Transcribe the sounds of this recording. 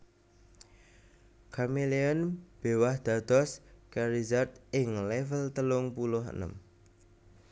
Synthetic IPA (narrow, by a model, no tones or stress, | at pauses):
kʰamilianb̥e̤wahd̪̥a̤d̪̥ɔskaɾizart̪̚ɪŋlɛfəlt̪əlʊŋpulʊɦə̰nə̰m